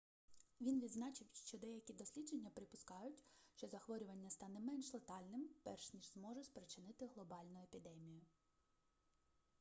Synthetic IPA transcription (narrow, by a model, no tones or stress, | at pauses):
ʋʲinʋʲid̪znɑt͡ʃɪwʃt͡ʃɔd̪ɛjɐkʲid̪ɔsʲlʲid͡ʒenʲːɐpɾɪpʊskɑjʊtʲʃt͡ʃɔzɐxʋɔɾʲʊʋɐnʲːɐst̪ɑnɛmɛnʃlˠɐt̪ɑlʲnɪmpɛrʃnʲiʒzmɔʒɛsʲpɾet͡ʃɪnɪt̪ɪɦlˠɔbɑlʲnʊepʲid̪ɛmʲijʊ